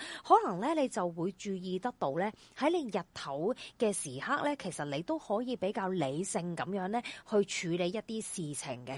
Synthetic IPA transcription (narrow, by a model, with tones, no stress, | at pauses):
hɔː˨˥lɐ˨˩ŋlɛː˥ne˨˧jt͡sɐ˨wwuː˨˧jt͡ʃyː˧jiː˨t̪ɐ˥k̚t̪o˧wlɛː˥hɐ˨˥jle˨˧jjɐ˨t̚t̪ʰɐ˨˥wkɛː˧siː˨˩haː˥k̚lɛː˥kʰe˨˩jsɐ˨t̚ne˨˧jt̪o˥whɔː˨˥jiː˨˧pe˨˥jkaː˧wle˨˧jsɪ˧ŋkɐ˨˥mjœː˨˥ŋlɛː˥hɵ˧ɥt͡ʃʰyː˨˧le˨˧jɐ˥t̚t̪iː˥siː˨t͡sʰɪ̰˨˩ŋkɛ˧